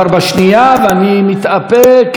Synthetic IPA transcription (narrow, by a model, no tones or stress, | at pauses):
aɾbaʃnijaveanimit̪apek